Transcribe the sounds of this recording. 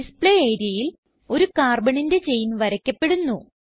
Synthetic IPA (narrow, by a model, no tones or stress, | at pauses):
ispɭeejɾjɐjil | o̞ɾukaːrbɐɳinde̞t͡ɕe̞jnʋɐɾɐkʲːɐpːe̞ɽunːu